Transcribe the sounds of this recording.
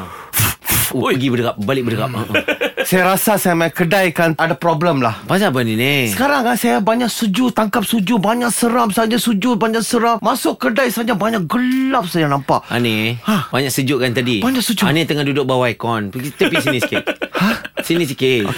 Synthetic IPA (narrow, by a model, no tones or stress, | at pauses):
pəɡibədəkap̚balɪʔ̚bədəkap̚əʔəsajaɾasasajamaakədajkanadapɾobləmlahpasapəninesə̥kaɾaŋasajabaɲaʔsəd͡ʒut̪aŋkap̚sud͡ʒʊbaɲaʔsəɾamsad͡ʒasud͡ʒʊbaɲaʔsəɾammasʊʔkːədajsad͡ʒabaɲaʔ̚ɡəlap̚sad͡ʒanampaʔʔa̰nehahbaɲaʔksəd͡ʒʊʔkant̪adibaɲaʔsud͡ʒuanet̪əŋandudʊʔ̚bawajkɔnpəɡit̪əpisiniskehasinisike